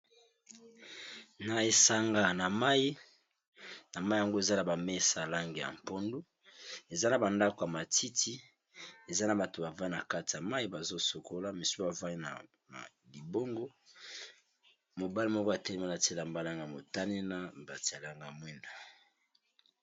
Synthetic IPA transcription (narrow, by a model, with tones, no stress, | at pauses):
na˨e˨sa˨ŋɡa˨na˨ma˦i˦ | na˨ma˦i˦ja˨ŋɡo˦e˨za˦na˨ba˨me˦sa˨la˦ŋɡe˨ja̰˨m˨po˦ndu˦ | e˨za˦na˨ba˨nda˦ko˨ja˨ma˨ti˦ti˦ | e˨za˦na˨ba˨to˨ba˨va˦na˨ka˦ti˨a˨ma˦i˦ba˨zo˦so˨ko˦la˦mi˨su˦a˨va˦n˨ | a̰˨ | li˨bo˦ŋɡo˦ | mo˨ba˦li˦mɔ˦ko˦a˨tɛ˦le˦ma˦na˨te˦la˨mba˦la˦ŋɡa˨a˨mo˨ta˦ne˦na˦ba˨ti˨a˨la˨ŋɡmwɛ˦nda˨